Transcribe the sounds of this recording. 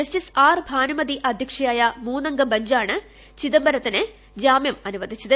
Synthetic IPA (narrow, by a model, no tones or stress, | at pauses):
ɐstisaːrbʱaːnɐmɐd̪iʔɐd̪ʱjɐkʂɐjaːjɐmuːnɐŋɡɐbɐɲd͡ʑaːɳɨ | t͡ɕiðɐmbɐɾɐt̪ːinɨ | d͡ʑaːmjɐmɐnuʋɐd̪ʱit͡ɕːɐðɨ